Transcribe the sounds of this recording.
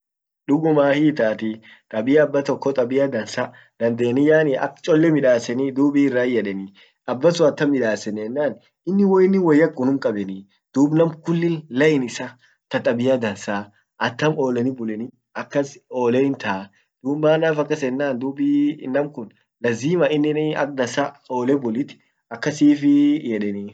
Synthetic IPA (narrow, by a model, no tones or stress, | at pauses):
ᶑʊɡʊmaːhiːt̪aːt̪ɪ | t̪ʼɐbɪjɐːbːɐt̪ɔkːɔt̪ʼɐbɪjɐd̪ɐnsa | d̪̥ɐnd̪eːnɪjaːnɪʔɐ̰kt͡ʃʼɔlːɛmɪᶑaːsɛnɪd̪uːbiːɪrːaːjɛᶑɛnɪ | ɐbːɐsʊɐt̪ːɐmɪᶑaːsɛnɛnːaːn | ɪnːɪwɔjɪnːɪwɐjːɐkʼːʊnʊŋkʼɐbɛnɪ | d̪̥uːbnɐmkʊlːɪnlɐʔɪnɪsa | t̪ɐt̪ʼɐbɪjɐd̪ɐnsaː | ʔɐt̪ːɐmoːlɛnɪbʊlɛnɪ | ɐkːɐsoːlɛɪnt̪a | d̪̥uːbaːnːaːfɐkːɐsɛnːaːnd̪uːbinːɐmkʊn | lɐziːmɐɪnːɪnɪɐ̰k̚d̪ɐnsaoːlɛbʊlɪt̪ɪ̥ | ɐkːɐsiːfɪjɛᶑɛni